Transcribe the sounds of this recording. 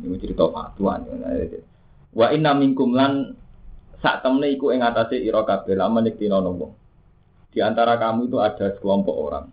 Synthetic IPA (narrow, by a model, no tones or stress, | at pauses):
niwət͡ʃəɾit̪ɔma̰t̪ua̰niwə̰na̰ḛe | waʔinamiŋkʊmlan | sa̰ʔt̪əmneikuɪŋat̪aseʔiɾɔkab̥ɛ̤laməlɪk̚t̪inɔnɔwɔ̰ŋ | d̪̥i̤ant̪aɾakamuit̪uḁʒ̥a̤skəlɔmpɔ̰ʔo̰ɾa̰ŋ